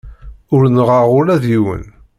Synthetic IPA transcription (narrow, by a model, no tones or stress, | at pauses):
ʊɾnʁəʁʊɾæðjiwə̰n